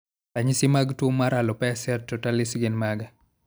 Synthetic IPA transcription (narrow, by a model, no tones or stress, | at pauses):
aɲisɪmaɡtomaɾalɔpɛsɛtːotalɪsɡɪnmaɡa